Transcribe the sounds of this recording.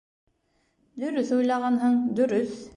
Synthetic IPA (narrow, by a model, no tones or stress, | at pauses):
d̪ɵ̆ɾɵθujlˠɑʁɑnɦɤɴd̪ɵ̆ɾɵθ